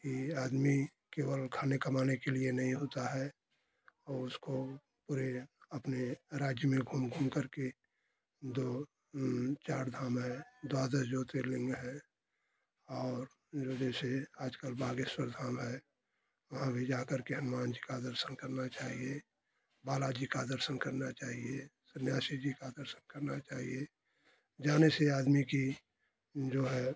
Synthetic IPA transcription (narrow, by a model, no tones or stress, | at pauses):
kiaːd̪mi | keːwəlkʰaːnekəmaːnekelienɐɦĩɦoːt̪aɦɛ | ɔːʊsko | puːɾeəpneɾaːd͡ʒjəmẽɡʱuːmɡʱuːmkəɾke | d̪o | t͡ʃaːɾd̪ʱaːmɦɛd̪aːd̪əɾd͡ʒoːt̪elɪ̃ŋɡɦɛ̃ | ɔːɾ | d͡ʒoːd͡ʒɛːseaːd͡ʒkəlbaːɡeswəɾd̪ʱaːmɦɛ | ʋɐɦãbʱid͡ʒaːkəɾkeɦənmaːnd͡ʒikad̪əɾsənkəɾnat͡ʃaːɦie | baːlad͡ʒikad̪əɾsənkəɾnat͡ʃaːɦiesənjaːʃid͡ʒikad̪əɾsənkəɾnat͡ʃaːɦie | d͡ʒaːneseaːd̪miki | d͡ʒoːɦɛː